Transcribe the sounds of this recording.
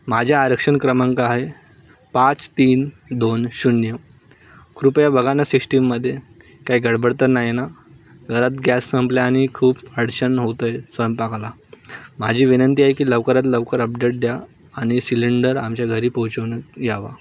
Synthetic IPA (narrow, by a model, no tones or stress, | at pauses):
mad͡ʑʱjaːɾəkʂəɳkɾəmaŋkaːɦe | pãt͡st̪iːnd̪onɕunːjə | kɾupjabəɡʱanasikʂʈimːəd̪ʱːje | kaiɡʱəɽbəɽt̪əɾnajena | ɡʱəɾat̪ɡjasːəmpljaːɽ̃ikʰuːpəɽɕənɦot̪əjsʋəjəmpakla | mad͡ʑʱiːʋinənt̪iːaɦekiːləʋkəɾat̪ləʋkəɾəpɖ̪eʈ̚d̪jaː | ɽ̃isiliɳɖəɾamt͡ɕjaɡʱəɾiːpəut͡ɕəʋnəɡʱaʋa̰